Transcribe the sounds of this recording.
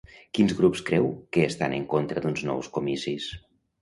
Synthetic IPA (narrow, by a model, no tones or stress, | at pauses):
kinzɣɾupskɾɛwkəːst̪anəŋkont̪ɾəd̪unznɔ̰wskomisis